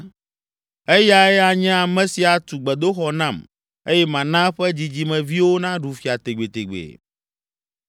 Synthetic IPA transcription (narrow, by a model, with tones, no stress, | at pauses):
ɛ˦ja˦ɛ˦a˨ɲɛ̃˦a˨mɛ̃˨si˨a˨t̪u˨ɡ͡bɛ˨d̪o˦xɔ˨nã˦˨m | e˦jɛ˦mã˨nã˦ɸɛ˦d͡ʑi˨d͡ʑi˦mɛ̃˨vi˦wo˦nã˦ɖu˨fi˨a˨t̪e˨ɡ͡be˨t̪e˨ɡ͡bḛ˨